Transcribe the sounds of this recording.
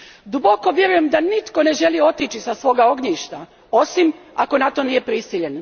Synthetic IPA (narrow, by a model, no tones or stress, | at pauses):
d̪ubo̞ko̞ʋje̞ɾuje̞md̪anit̪ko̞ne̞ʒe̞lio̞t̪it͡ʃisasʋo̞ːɡao̞ɡɲiːʃt̪a | o̞simako̞nat̪o̞nije̞pɾisiʎe̞n